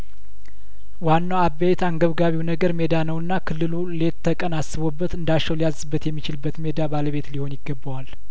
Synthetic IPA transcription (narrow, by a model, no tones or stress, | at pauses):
wanːawabːet̪aŋɡəβɡaβiwnəɡəɾme̞d̪anəwɨnːakʰɨlːɨlule̞t̪ʰːəkʼənasːɨβobːət̪ɨnd̪at͡ʃːɛwlijazɨbːət̪jɛmːit͡ʃɪlɨbːət̪me̞d̪abaləβe̞t̪liho̞njɪɡːəbːəwal